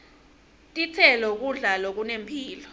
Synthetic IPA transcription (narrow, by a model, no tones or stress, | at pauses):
tʼit͡sʰɛlɔk̬uɮalok̬unempʰiːlɔ